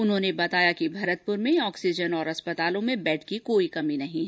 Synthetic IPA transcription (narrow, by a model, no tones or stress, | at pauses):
ʊnɦõːnebɐt̪aːjakibʱɐɾət̪̚pʊɾmẽɔːksɪd͡ʒənɔːɾɐspɐt̪aːlõmẽbɛːʈʰkikoːikɐminɐɦĩɦɛ